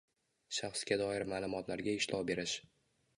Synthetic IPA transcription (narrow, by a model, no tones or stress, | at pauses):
ʃaχsɡʲad̪ɒɪɾmaːlˠʊmɒt̪ʰlaɾɡʲaɪʃlʔɒwbe̞ɾɪʃ